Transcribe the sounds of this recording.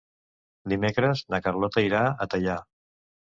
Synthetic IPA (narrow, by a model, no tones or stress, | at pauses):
d̪imekɾəznəkərlɔt̪əiɾaət̪əʎa